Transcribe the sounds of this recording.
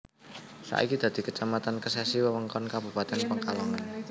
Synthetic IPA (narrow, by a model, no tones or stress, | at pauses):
sa̰ʔḭkid̪̥ä̤d̪̥i̤kət͡ʃamat̪ankəsɛsiwəwəŋkɔnkab̥ṳpat̪ɛnpəŋkalɔŋan